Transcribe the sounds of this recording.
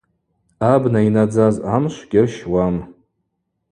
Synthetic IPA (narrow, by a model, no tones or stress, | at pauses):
abnainad͡zazamʃʷɡʲɪrʃwam